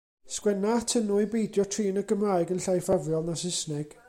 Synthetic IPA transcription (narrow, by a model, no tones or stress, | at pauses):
skwɛnatʰənuɨbejdjɔtʰriːnəɡəmraːjɡənɬajfavjɔlˠnasɪsnɛɡ̥